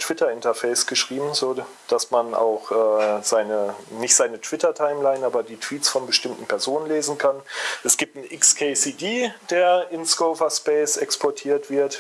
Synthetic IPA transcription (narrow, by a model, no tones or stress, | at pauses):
tʰv̥ɪtɐɪntɐfɛɪsɡ̥əʃʁ̥iːbm̩zoːd̥asmanʔa̰ʊxʔɛːz̥aɪnənɪçtz̥aɪnətv̥ɪtɐtʰaɪmlaɪnʔaːbɐdiːtv̥iːtt͡sfɔnbəʃtɪmtn̩pʰɛɐzoːnənleːzn̩kʰanʔɛsɡ̥iːp̚tn̩ʔɪkskʰeːsiːdiːd̥eːɐɪnsɡ̥oʊvɐspɛɪsɛkspʰɔɐtʰiːɐtv̥ɪɐt